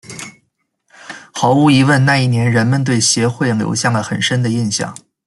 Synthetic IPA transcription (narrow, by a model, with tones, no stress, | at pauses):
xɑ˧˥ʊu˧˥i˧˥wə˥˧nna˥˧i˥˩njɛ˧˥nɻə˧˥nmə˧nt̪̬we˥˩ɪɕjɛ˧˥xwe˥˩ɪljo̰˧˥ʊɕjɑ˥˩ŋlə˩xə˨˩nʂə˥nd̪ə˨i˥˧nɕjɑ̰˥˩˦ŋ